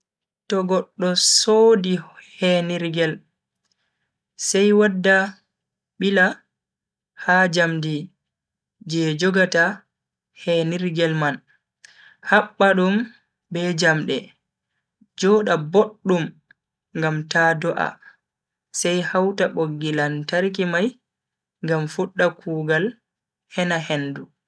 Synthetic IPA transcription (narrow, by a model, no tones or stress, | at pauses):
tɔɡɔɗːɔsoːdihɛniɾɡɛl | sɛjwadːa | ɓila | had͡ʒamdi | d͡ʒɛd͡ʒɔɡata | hɛniɾɡɛlman | haɓːaɗum | bɛd͡ʒamɗɛ | d͡ʒɔːɗaboɗːum | ŋɡamtadɔʔa̰ | sajhawtaɓoɡːilantaɾk̬imaj | ŋɡamfuɗːakʰuːɡal | hɛnahendu